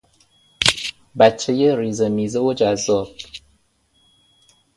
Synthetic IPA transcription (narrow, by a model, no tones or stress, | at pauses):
bæt͡ʃʰːejeriːzemiːzeod͡ʒæzːɒːb̥̚